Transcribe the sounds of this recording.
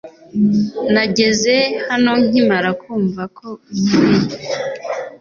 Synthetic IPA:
naɟe̞ze̞hano̞ŋ̥imaɾakuːɱvakʰouiɾije

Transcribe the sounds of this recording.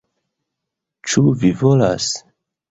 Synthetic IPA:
t͡ʃuvivola̰s

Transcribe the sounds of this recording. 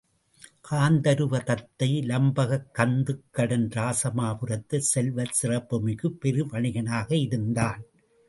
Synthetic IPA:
kaːnd̪ɐɾɯʋɐt̪ɐt̪ːɐɪlɐmbɐɣɐkːɐnd̪ɯkːɐɽɐnɾaːsɐmaːpɯrɐt̪ːɐsɛlʋɐsɪrɐpːɯmɪɣɯpːɛɾɯʋɐɳɪɣɐnaːɣɐɪɾɯnd̪aːn

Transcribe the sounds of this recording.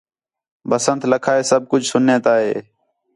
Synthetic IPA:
bəsənt̪ləkʰaːeːsəb̚kʊd͡ʒʱsʊnːẽːt̪aːɦḛː

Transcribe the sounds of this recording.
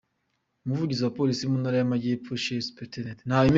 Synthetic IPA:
omuvuɟiziwapolisimunaɾajamaɟepuʃespetenetnaim

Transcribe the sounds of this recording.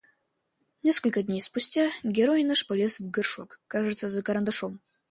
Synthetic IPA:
nʲeskəlʲkəd̪ʲnʲejspusʲtʲaɡʲeɾojinɨʂpɐlʲesvɡɨrʂwɔkːaʐɨt̪səzɐkɐɾɐnd̪ɐʂom

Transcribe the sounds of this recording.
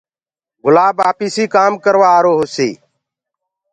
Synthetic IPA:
ɡʊlaːbaːpiːsiːkaːmkəɾʋaːɾoːɦosiː

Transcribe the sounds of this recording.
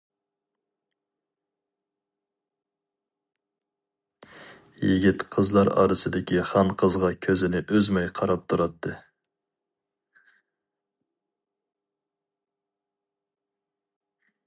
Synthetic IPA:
jiɡʲit̪qʰəzlˠɑɾɑ̰ːɾɨsɨd̪ɪkʲiχɑnqʰəzʁɑkʲʰøzɪnɪʔøzmɛjqʰɑɾɑp̚t̪ʰuɾɑt̪ʰːɨ

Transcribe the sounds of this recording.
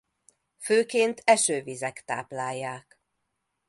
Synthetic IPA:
føːkeːnt̪ʰɛʃøːvizɛkt̪a̰ːplaːjːaːk

